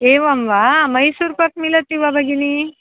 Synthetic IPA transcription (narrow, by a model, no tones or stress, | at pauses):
eʋamʋamɐjsuɾpɐk̚milɐt̪ːiʋabʱɐɡini